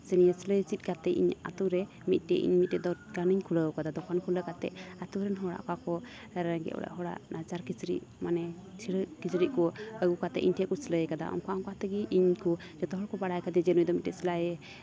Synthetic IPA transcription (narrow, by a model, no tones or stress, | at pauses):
sənijəsləjt͡ʃit̪̚kat̪ɛʔḭɲa̰t̪uɾɛ | mit̪̚ˀʈɛ̰ʔḭɲmit̪̚tɛd̪ɔɡaniɲkʰuləəwkad̪ad̪ɔkʰankʰuləkat̪ɛ̰ʔat̪uɾɛnɦɔɽa̰ʔkakɔ | ɾaŋɡɛ̰ʔɔ̰ɽa̰ʔɦɔɽa̰ʔnat͡ʃaɾkit͡ʃɾḭʔmanɛt͡ʃʰiɽəkit͡ʃɾiʔkɔəɡukat̪ɛ̰ʔiɲʈʰɛʔkusləjɛkad̪a̰ʔɔ̰mkɔamŋkat̪əɡiʔiɲku | d͡ʒɛt̪ɔɦɔɽkɔbaɽajkad̪ɛd͡ʒɛnujd̪ɔmit̪̚tɛsilajɛ